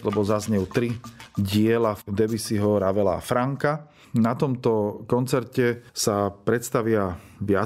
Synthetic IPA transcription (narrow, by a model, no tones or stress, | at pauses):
lɛbɔzazɲɛjut̪ɾiɟɪɛlad̪ɛbisiɦɔɾaʋɛla̰fɾaŋka | nat̪ɔmt̪ɔkɔnt͡sɛɾcɛsapɾɛt̪st̪aʋɪaʋɪa